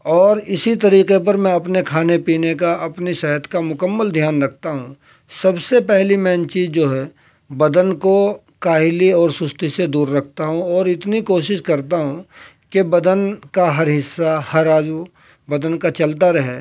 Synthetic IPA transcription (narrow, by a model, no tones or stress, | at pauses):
ɔːɾɪsit̪ɐɾiːqep̬ɐɾmɛ̃ɐpnekʰaːnepiːnekaʔɐpnisɛɦət̪kamʊkəmːəld̪ʱjaːnɾɐkʰt̪aɦũ | sɐbsepɛɦlimɛ̃ːnt͡ʃiːzd͡ʒoːɦɛː | bɐd̪ənko | kaːɦɪliɔːɾsʊst̪ised̪uːɾːɐkʰt̪aɦũɔːɾɪt̪nikoːʃɪʃkɐɾt̪aɦũ | kebɐd̪ənkaɦɐɾɦɪsːahɐɾaːd͡ʒu | bɐd̪ənkat͡ʃɐlt̪aɾɐɦɛː